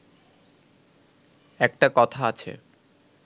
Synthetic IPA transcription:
ɛk̚ʈakɔt̪ʰaat͡ɕʰḛ

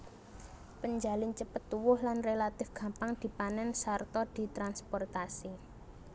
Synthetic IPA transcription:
pəɲd͡ʒalɪnt͡ʃəpət̪ːuwʊhlanrelat̪ɪfɡ̥ä̤mpaŋd̪̥i̤panɛnsart̪ɔd̪̥i̤t̪ɾanspɔrt̪asi

